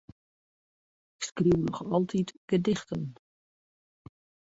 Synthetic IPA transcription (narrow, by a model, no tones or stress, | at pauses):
ɪkskriwnɔχɑlˠtʰitɡ̥ədɪχtən